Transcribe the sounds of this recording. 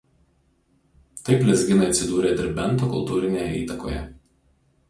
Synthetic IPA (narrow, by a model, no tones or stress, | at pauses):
t̪ɐɪplʲɛzʲɡʲɪnɐɪɐt̪ʲsʲɪd̪uːɾʲeːd̪ʲɪɾʲbʲɛnˑt̪oːkʊlˠt̪uːɾʲɪnʲeːjɛḭːt̪ɐko̰ːjɛ̰